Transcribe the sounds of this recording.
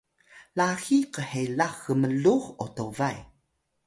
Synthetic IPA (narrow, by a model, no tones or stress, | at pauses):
laxiqəhelaxːəməɮuxotovaj